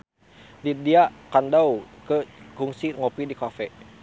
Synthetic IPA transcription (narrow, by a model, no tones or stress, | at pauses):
didiakandawkəkuŋsiŋɔpidikafɛ